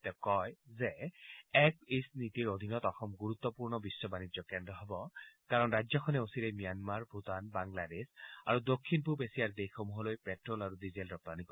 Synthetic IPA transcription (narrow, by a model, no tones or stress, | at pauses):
tɛkɔjzɛɛk̚isnit̪iɹod̪ʱinɔtɔxɔmɡuɹut̪ːɔpuɹnɔbisːɔbanid͡ʒɔkɛndɹɔɦɔbɔkaɹɔnɹajzɔkʰɔnɛosiɾɛmijanmaɹbʱut̪anbaŋladesa̰ɹud̪okʰːinpuɹpesijaɹd̪ejxomuɦɔlojpɛtɹɔlaɹudizelɔpanikɔ